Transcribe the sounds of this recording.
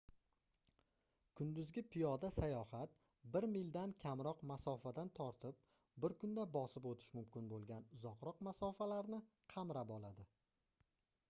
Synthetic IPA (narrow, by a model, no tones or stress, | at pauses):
kʰʊnd̪ʊzɡʲɪpʰɪjɒd̪asajɒhat̪̚ | bɪɾmɪld̪ankʲʰamɾɒqmasɒfad̪ant̪ʰɒɾt̪ʰɪp̚ | bɪɾkʰʊnd̪abɒsɪpot̪ʰɪ̥ʃmʊmkʲɪnbolˠɡʲanʊzɒqɾɒq̚masɒfalaɾnɪ | qʰɑmɾapɒlˠad̪ɪ